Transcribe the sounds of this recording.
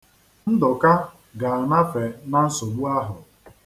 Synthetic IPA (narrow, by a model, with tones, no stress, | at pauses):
n̩˦dʊ˨ka˦ | ɡa˨a˨na˦fe˨na˦n̩˦sʊ˨ɡ͡bu˦a˦ɦʊ˨